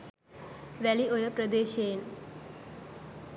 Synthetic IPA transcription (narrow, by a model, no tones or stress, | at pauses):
ʋɛliʔojəpɾəd̪eːʃen